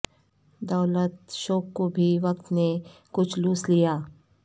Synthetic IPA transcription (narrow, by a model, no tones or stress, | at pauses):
d̪ɐːlət̪ʃoːkːobʱiʋɐk̚t̪nekʊt͡ʃʰluːslijaː